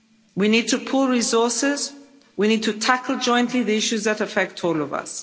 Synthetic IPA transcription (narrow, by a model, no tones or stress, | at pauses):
winiːd̚tʰəpʰʊlˠɹizɔːˑsɪz | winiːd̚tʰətʰakəlˠd͡ʒɔ̃ɪ̃ntʰliðiɪʃuzðətəfɛk̚tʰɔːlɔvɐ̰s